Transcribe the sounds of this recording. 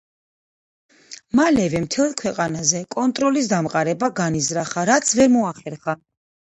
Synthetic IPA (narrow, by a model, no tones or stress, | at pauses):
malɛvɛmt̪ʰɛlˠkʰwɛqʼanazɛkʼɔnt̪ʼɾɔlis̬d̪amqʼaɾɛbaɡanizɾaχaɾat̪sʰvɛɾmɔaχɛɾχa